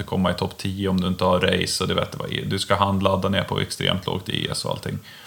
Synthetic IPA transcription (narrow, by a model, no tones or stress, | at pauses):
əkʰɔmːaɪt̪ʰɔpːt̪ʰiːʊɔmd̪ɵɪnt̪əhaɾɛjsɔd̪ɛvḛːt̪d̪ɛva̰ḛd̪ɵskaɦand̪lad̪ːaneːɾpʰɔ̰ɛ̰kst̪ɾḛːmt̪ʰlo̰ːɡt̪ḛːɛ̰sɔa̰lt̪ʰɪŋː